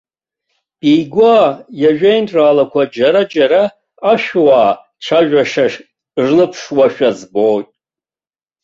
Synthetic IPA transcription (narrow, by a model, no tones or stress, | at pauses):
b̥ijɡʷajaʒᶣejnʈ͡ʂʼraːlakʷʰad͡ʒaɾad͡ʒaɾaː | ʃᶣwaː | ʈ͡ʂʰaʒᶣaʂaʂ | ʐlɨpʰʂwaʃᶣazbotʼ